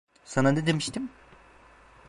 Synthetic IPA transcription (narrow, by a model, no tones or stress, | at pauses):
sananed̪emiʃt̪im